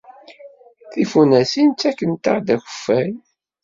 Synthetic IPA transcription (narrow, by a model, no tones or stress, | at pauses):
θifunæsint͡sːækːənt̪a̰ɾd̪æçə̥fːæj